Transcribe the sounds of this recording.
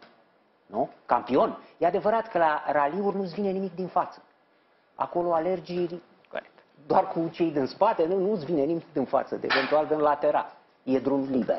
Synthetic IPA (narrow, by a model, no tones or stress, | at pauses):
nuka̰mpio̞njead̪evəɾat̪kəlaɾaliurʲnuzvine̞nimik̚d̪infat̪sə̥ | a̰ko̞lo̞ale̞rd͡ʒilʲ | ko̰ekt̪ | d̪oarkut͡ʃe̞jd̪inspat̪e̞nunuzvine̞nimikd̪infa̰t̪sə̰ḛve̞nt̪uald̪ɨnlat̪e̞ɾa̰l | je̞d̪ɾumliber